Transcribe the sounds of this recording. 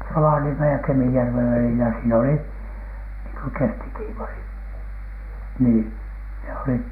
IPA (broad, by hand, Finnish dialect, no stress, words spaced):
roʋɑniemej jɑ kemijærʋeʋ ʋælilæ siːn oli niːŋ ko kestikiːʋɑri niː ne olit